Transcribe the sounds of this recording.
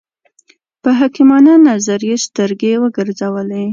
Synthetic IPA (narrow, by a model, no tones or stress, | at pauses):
pəɦɑkimɑnanazaɾjest̪əɾɡewəɡəɾzawəle